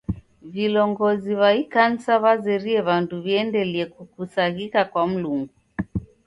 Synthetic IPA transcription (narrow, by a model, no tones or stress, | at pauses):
vilɔŋɡɔziβaikan̩saβazɛɾiɛβanduβiɛndɛliɛkukusaɣikakwam̩luŋɡu